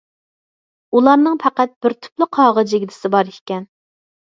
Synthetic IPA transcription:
ulˠɑɾnɨŋpʰæqæt̪̚bɪɾt̪ʰy̥plˠɨqʰɑːʁəd͡ʒɪɡʲd̪ɪ̥sɪbɑɾikʲɛn

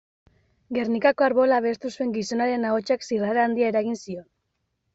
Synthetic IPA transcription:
ɡe̞rnikako̞aɾβo̞laβe̞st̪usue̞ŋɡiso̞naɾe̞naot͡ʃaksiraɾaːnd̪iaeɾaɣ̞insio̞n

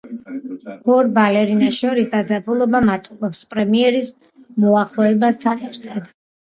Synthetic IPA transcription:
ɔɾbalɛɾinaʃɔɾisd̪ad̪zapʰʼulˠɔbamat̪ʼubɔpspʼɾɛmiɛɾis | mɔaχlˠɔɛbast̪sʰanaʃt̪ʼɛd̪

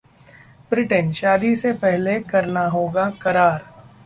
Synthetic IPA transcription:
bɾɪʈənʃaːd̪isepɛɦlekɐɾnaɦoːɡakɐɾaːɾ

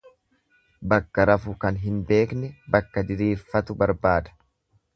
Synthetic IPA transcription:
bɐkːɐɾɐfʊkɐnɦɪnbe̞ːknɛbɐkːɐd̪ɪɾiːfːɐt̪ʊbɐɾbaːd̪ɐ̥

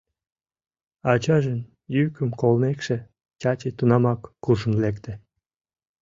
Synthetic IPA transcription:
ɑt͡ɕɑʒən | jykəmkolnekʃĕ | t͡ɕɑt͡ɕet̪unɑmɑkːuʒənlekt̪ĕ

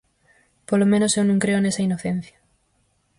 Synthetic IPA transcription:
polomẽnosewnũŋkɾeonesɐinoθen̟θjɐ̥

